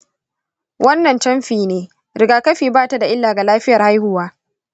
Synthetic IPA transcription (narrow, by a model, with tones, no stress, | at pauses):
wʔɐ˦nːɐ˨nt͡ʃɐ˦mɸiː˨neː˦ | ɾɪ˨ɡaː˨kɐ˦ɸiː˨baː˦ta˦da˨ʔɪ˦lːaː˨ɡa˨laː˦ɸɪ˦jɐ˨rha˦jhʊ˦waː˦